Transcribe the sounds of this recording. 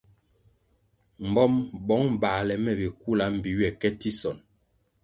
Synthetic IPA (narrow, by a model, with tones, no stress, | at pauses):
m̩˨bɔ˦mbɔ˨˦ŋ̩˨baː˨lɛ˨mɛ˨bi˨ku˦la˨˦m̩˨bi˨ɥɛ˨kɛ˦ti˦sɔ˨n